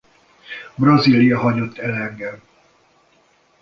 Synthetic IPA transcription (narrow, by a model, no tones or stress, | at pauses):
brɒzilijɒɦɒɲot̪ʰːɛlɛŋɡɛm